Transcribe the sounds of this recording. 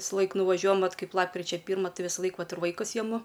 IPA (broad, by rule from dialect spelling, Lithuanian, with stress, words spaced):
ʋʲɪsˈlˠɐɪk nʊʋɐˈʒʲuɔjɛm ˈʋɐt ˈkɐɪp ˈlˠɑːpkrʲɪt͡ʃʲɛ ˈpʲiːrmɐ ˈtɐɪ ʋʲɪsˈlˠɐɪk ˈʋɐt ɪr ʋɐɪˈkʊs jɛˈmʊ